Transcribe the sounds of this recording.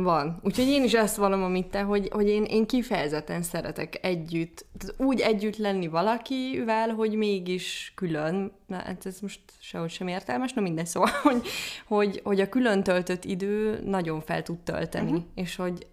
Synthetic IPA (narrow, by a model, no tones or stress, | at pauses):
vɒnuːcho̞ɟeːniʃɛst̪ʋɒlo̞mɒmit̪ːɛɦo̞ɟho̞ɟeːneːŋkifɛjɛzɛt̪ːɛnsɛɾɛt̪ɛkɛɟːyt̪ːɛt̪uːɟɛɟːyt̪lɛnːivɒlɒkivɛlɦo̞ɟmeːɡiʃkyløn̰ | a̰t̪ɛzmo̞ʃt̪ʃɛɦo̞cʃɛmeːrt̪ɛlmɛʃnɛmind̪ɛɲsoːvɒlo̞ɟho̞ɟho̞ɟɒkylø̞nt̪ølt̪øt̪ːid̪øːnɒɟo̞ɱfɛ̰lt̪ut̪t̪ø̰lt̪ɛ̰nieːʃho̞ɟ